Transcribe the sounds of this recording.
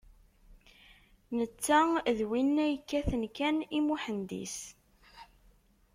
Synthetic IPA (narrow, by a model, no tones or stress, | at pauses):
nət͡sːæðwinːæjkːæθənkænimuħənd̪ḭs